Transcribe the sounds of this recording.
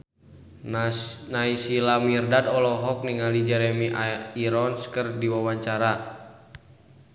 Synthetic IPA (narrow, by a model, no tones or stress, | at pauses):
naisilamirdadɔlɔɦɔk̚niŋalid͡ʒɛɾɛmiʔaiɾɔnskərdiwawaɲt͡ʃaɾa